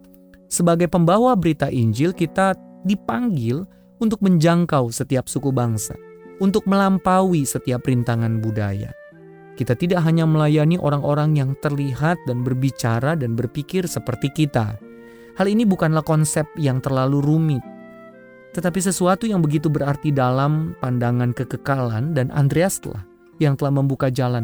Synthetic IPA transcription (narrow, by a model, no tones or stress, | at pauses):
səbaɡajpəmbawabəɾit̪aʔiɲd͡ʒɪlkit̪adipaŋɡɪl | unt̪ʊk̚məɲd͡ʒaŋkawsət̪iap̚sukubaŋsa̰ | unt̪ʊk̚məlampawisət̪iaprɾint̪aŋanbuda̰ja̰ | kit̪at̪idaʔɦaɲaməlajaniʔoɾaŋʔoɾaŋjaŋt̪ərliɦat̪̚danbərbit͡ʃaɾadanbərpikɪrsəpərt̪ikit̪a̰ | halinibukanlahkɔnsɛp̚jaŋt̪ərlaluɾumɪt̪̚ː | ət̪ap̬is̬əsuat̪ujaŋbəɡit̪̬ubəɾart̪idalampandaŋankəkəkalandanʔa̰nd̪ɾeast̪la̰h | jaŋt̪əlahməmbukad͡ʒalan